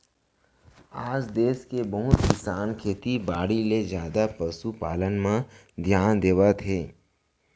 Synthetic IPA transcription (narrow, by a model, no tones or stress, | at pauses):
aːd͡ʒd̪eːskebəɦʊt̪kɪsaːnkʰeːt̪ibaːɽilezjaːd̪apəsupaːlənmã | d̪ʱjaːnd̪eːʋat̪ʰeː